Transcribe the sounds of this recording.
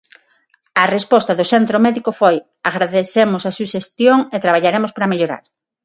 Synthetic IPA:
ɐrespɔst̪ɐðosent̪ɾomɛðikofoj | aɣɾaðeθemosasuʃest̪joŋet̪ɾaβ̞aʎaɾemospaɾameʎoɾa̰ɾ

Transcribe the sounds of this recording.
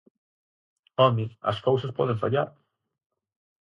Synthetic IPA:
ɔmiɐ̰skowsaspɔðeɱfa̰ʎa̰ɾ

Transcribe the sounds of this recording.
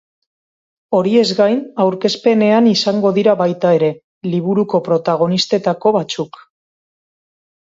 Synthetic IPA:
o̞ɾie̞zɡajnawɾke̞spe̞ne̞anisaŋɡo̞ðiɾaβajt̪ae̞ɾe̞ | liβ̞uɾuko̞pɾo̞t̪aɣ̞o̞nist̪e̞t̪ako̞βat͡suk

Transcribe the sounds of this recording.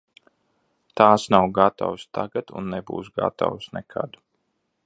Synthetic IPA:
t̪aːsnawɡat̪a̰wst̪ʰaɡat̪ṵnːɛbṵːsɡa̰t̪a̰wsnɛkʰa̰d̪

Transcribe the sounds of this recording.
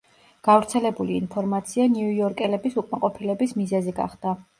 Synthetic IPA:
ɡ̥avɾt̪sʰɛlɛbuliːnpʰɔɾmat̪sʰianiujɔɾkʼɛlɛbisukʼmaqʼɔpʰilɛbismizɛziɡa̰χd̪̥a

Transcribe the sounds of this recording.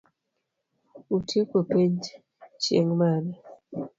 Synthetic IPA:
utʰekopeɲd͡ʒ | t͡ʃḛŋmana

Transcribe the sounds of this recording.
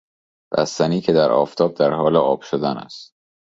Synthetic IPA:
b̥æ̰st̪æniːcʰed̪æɾɒ̰ːft̪ʰɒːb̚d̪æɾhɒːleɒːb̥ʃod̪ænæ̰st̪

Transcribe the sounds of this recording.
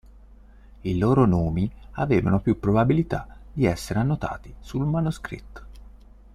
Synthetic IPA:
iloːɾonoːmiaveːva̰nopjupːɾobabilit̪ad̪iɛsːeɾeanːot̪a̰ːt̪isulmanuskɾḭt̪ː

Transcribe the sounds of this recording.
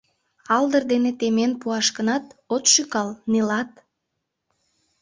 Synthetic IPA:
ɑld̪ərd̪enet̪emenpuɑʃkənɑt̪ot̪ʃykɑlnilɑt̪̚

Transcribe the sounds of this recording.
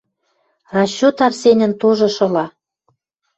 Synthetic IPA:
rɑɕːut̪ɑrsenʲə̆nt̪oʒɤ̆ʃɤ̆lɑ

